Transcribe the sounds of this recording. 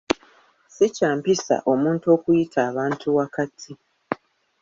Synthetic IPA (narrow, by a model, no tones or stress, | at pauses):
secaːmpisa̰ʔo̞muːnto̞ːkujitʰaːβaːntʰuwakatʰi